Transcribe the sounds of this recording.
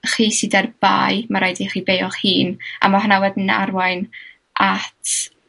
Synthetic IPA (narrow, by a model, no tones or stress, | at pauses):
χiːsɪdarb̥a̰ːjmaɾajdiχiːbejɔχhiːnʔa̰maɦnawɛdna̰rwajn | ʔatʰ